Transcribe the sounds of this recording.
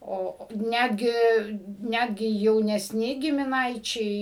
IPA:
ˈoː oː ˈnʲædʲɡʲɪ ˈnʲædʲɡʲɪ jɛʊnʲɛsʲˈnʲɪ ɡʲɪmʲɪˈnɐɪt͡ʃʲɛɪ

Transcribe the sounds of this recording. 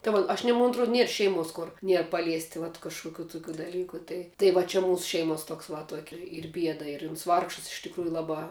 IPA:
tɐɪ ˈʋɐ ɐʃ ˈnʲiɛ moːn ɐtˈruɔt ˈnʲiɛr ˈʃʲɛɪˌmuɔs ˈkʊr ˈnʲiɛr pɐˈlʲiɛsʲtʲɪ ʋɐt kɐʃkʊˈkʲuː tʊˈkʲuː dɐˈlʲiːkʊ ˈtɐɪ tɐɪ ʋɐ ˈt͡ʃʲɪ ˈmuːsʊ ˈʃʲɛɪmuɔs ˈtuɔks ʋɐ ˈtuɔkʲɪ ˈiːr ˈbʲiɛdɐ ɪr ʊns ˈʋɐrkʃɐs ɪʃ tʲɪkˈruːjʊ ˈlˠɑːbɑː

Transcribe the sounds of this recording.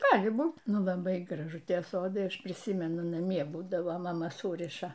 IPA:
ˈɡɑːlʲɪ ˈbuːt ˈnʊ lˠɐˈbɐɪ ɡrɐˈʒʊ ˈtʲiɛ ˈsoːdɐɪ ˈɐʃ pʲrʲɪˈsʲiːmʲɛnʊ nɐˈmʲiɛ ˈbuːdɐʋoː mɐˈmɐ ˈsuːrʲɪʃɐ

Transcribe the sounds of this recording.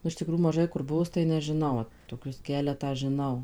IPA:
nʊ ɪʃ tʲɪˈkruːjuː mɐˈʒɐɪ kʊr ˈbʊʋʊs tɐɪ nʲɛʒʲɪˈnɐʊ toːˈkʲʊs ˈkʲæːlʲɛtɑː ʒʲɪˈnɐʊ

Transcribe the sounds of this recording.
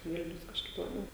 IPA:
ˈʋʲɪlʲnʲʊs kɐʃˈkɐɪp lˠɐˈbʲɛʊ

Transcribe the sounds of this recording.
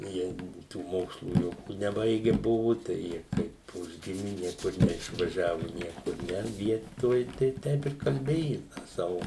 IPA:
ˈjiɛ tuː ˈmoːkslˠuː ˈjoːkʲuː nʲɛˈbɐɪɡʲɛ ˈbʊʋʊ ˈtɐɪ ˈjiɛ kɐɪp ˈʊʒʲɡʲɪmʲɪ ˈnʲiɛkʊr nʲɛɪʃʋɐˈʒʲæːʋʊ ˈnʲiɛkʊr ˈnʲɛ ˈʋʲiɛtoːj tɐɪ ˈtʲɛɪp ɪr kɐlʲˈbʲeːjʊ ˈtɑː ˈsɑːʋʊ

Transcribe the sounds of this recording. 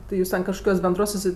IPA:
ˈtʲɪ juːs tʲɛn kɐʃkoːˈkʲuɔs bʲɛnˈdruɔs sʊˈsʲɪ

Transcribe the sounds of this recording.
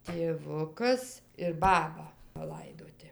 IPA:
tʲeːˈʋʊkɐs ɪr ˈbɑːbɐ pɐˈlˠɐɪdoːtʲɪ

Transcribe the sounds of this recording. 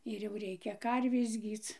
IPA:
ɪr jɛʊ ˈrʲɛɪkʲɛ ˈkɐrʲʋʲeːs ˈɡʲiːt͡s

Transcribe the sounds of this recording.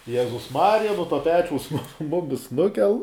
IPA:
ˈjæːzʊs ˈmɑːrʲɪjɛ noː ˈtoː ˈpʲæːt͡ʃʲɛʊs ˈmʊmʲɪs ˈnʊkʲɛlˠ

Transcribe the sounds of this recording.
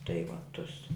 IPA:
tɐɪ ʋɐ ˈtʊs

